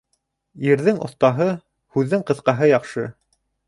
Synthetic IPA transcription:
iɾðɘŋʔŏ̰θt̪ɑɦɤ | hʉðːɘŋqɤ̆θqɑɦɤjɑqʃɤ

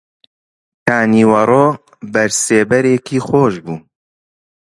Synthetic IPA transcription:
t̪ʰaːniːwɐɾoː | bɐɾseːbɛɾeːkiːxoːʒbuː

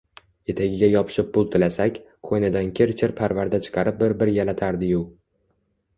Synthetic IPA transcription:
e̞t̪ʰaɡʲɪɡʲajɒpʰɪ̥ʃɪp̚pːʊlˠt̪ʰɪlasakʲ | kʰojnɪd̪ankʲʰɪɾt͡ʃʰɪɾpʰaɾvaɾd̪at͡ʃʰɨ̥qʰɑɾɪp̚bɪɾbɪɾjalat̪ʰaɾd̪ɪjʊ

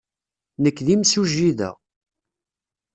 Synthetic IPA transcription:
nəkːðimsuʒːiðæ̰

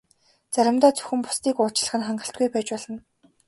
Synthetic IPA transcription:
t͡saɾʲɪ̆mt̪ɔːt͡sɵ̥xɘ̆mpʊ̥st̪iːkʊːt͡ɕ̆ɮə̆χɘ̆nχaɴɢə̆ɬt̪̚ɡujpæːt͡ɕpɔɮə̆n

